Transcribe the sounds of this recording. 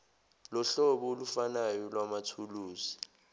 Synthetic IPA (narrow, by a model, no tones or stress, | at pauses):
lɔɬɔɓɔolufanajɔlwamatʰuluːzi